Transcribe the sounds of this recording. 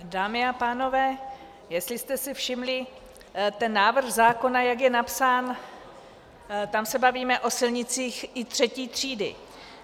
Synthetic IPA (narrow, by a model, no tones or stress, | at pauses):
daːmɪapaːno̞vɛː | jɛst̪lɪst̪ɛsɪfʃɪmlɪ | t̪ɛnːaːvr̩xzaːko̞najakjɛnapsaːn | t̪amsɛbaviːmɛʔo̞sɪlɲɪt͡siːxʔɪt̪r̝̥ɛciːt̪r̝̥iːdɪ̰